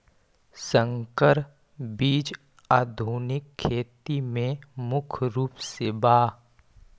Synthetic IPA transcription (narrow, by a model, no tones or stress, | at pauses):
sə̃ŋkəɾ | biːd͡ʒ | aːd̪ʱuːnɪkʰːeːt̪imẽmʊkʰɾuːpsebaː